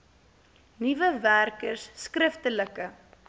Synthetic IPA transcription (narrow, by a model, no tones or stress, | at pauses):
nivəværkərsːkrəftələkə